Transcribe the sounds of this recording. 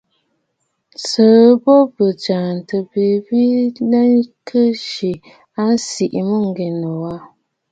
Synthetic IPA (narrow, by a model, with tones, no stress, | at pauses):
sə˨bo˦bə˨d͡ʒa˨n˨tɨ˨bi˨bi˦na˦nkʰə˦ʃi˨ | a˦n˦si˨ʔi˨mɨ˦ŋ˦ɡe˨nɨ˨wa˦